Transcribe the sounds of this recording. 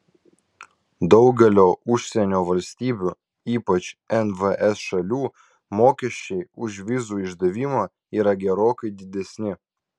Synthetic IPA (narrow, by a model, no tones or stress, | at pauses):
d̪ɒʊɡʲɛlʲoːʊʃʲsʲɛnʲoːʋɐlʲsʲt̪ʲiːbʲuː | iːpɐt͡ʃɛnʋəʔɛsʃɐlʲuː | moːkʲɛʃʲt͡ʃʲɛɪʊʒʲʋʲɪzuːɪʒd̪ɐʋʲimoː | iːɾɐɡʲɛɾoːkɐɪd̪ʲɪd̪ʲɛsʲnʲɪ